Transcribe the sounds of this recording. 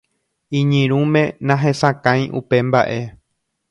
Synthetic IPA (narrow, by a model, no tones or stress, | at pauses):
ĩɲɨ̃ɾ̃ũmẽ̞nãɦesakãjʔṵpe̞mba̰ʔe̞